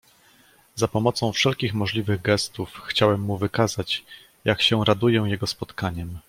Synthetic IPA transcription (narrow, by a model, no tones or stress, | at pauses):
zapɔmɔt̪sɔ̃w̃fʂɛlkʲixmɔʐlʲivɘɣɡɛst̪ufxt͡ɕawɛmːuvɘkazat͡ɕ | jʔakɕɛ̃ɾad̪ujɛw̃jɛɡɔspɔt̪kaɲɛm